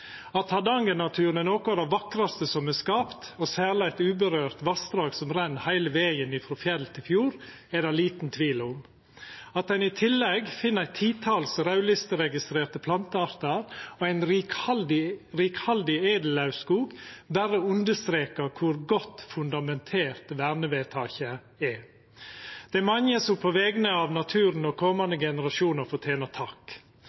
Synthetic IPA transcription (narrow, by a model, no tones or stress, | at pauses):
ɑt̪hɑd̪ɑŋənɑt̪ʰʉːɾnənoːkʊæd̪ɑʋɑkɾɑst̪əsɔmɛskɑːpt̪osæːɾlɪæɪt̪ʉːbəɾøːɾt̪ʋɑsd̪ɾɑːɡsɔmɾɛnːhæɪləʋeːɡənɪfɾɔfjɛɾlt̪ʰɪlfjuːɾ | ɛd̪ɛliːt̪nt̪ʰʋiːlʊm | ɑt̪̚d̪ɛnɪt̪ʰɪlːɛɡfɪnːəæɪt̪ʰiːt̪ʰɑlsɾɑʉlɪst̪əɾɛɡɪst̪ɾeːɾt̪əpʰlɑnt̪əɑɾt̪əɾoæɪnɾld̪ɪɾiːkhɑld̪ɪeːd̪əl̩ɑʉskuːɡbæɾəʉnd̪əst̪ɾeːkəɾkʰʊɾɡɔt̪ːfʉnd̪ɑmɛnt̪ʰeːɾt̪ʋæːɾnəʋeːt̪ʰɑːçə | ɛ | d̪̥ɛɛmɑŋəsɔmpʰoʋɛɡnəɑʋnɑt̪ʰʉːɾənɔkʰɔmɑnd̪əɡɛnəɾɑʃuːnəɾfɔt̪ʰjeːnət̪ʰɑk